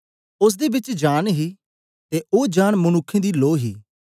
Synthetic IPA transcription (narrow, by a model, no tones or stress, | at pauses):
ʊs̬d̪eːbɪt͡ʃd͡ʒaːnɦiː | t̪eːoːd͡ʒaːɳmʊnʊkʰːẽːd̪iːloːɦḭː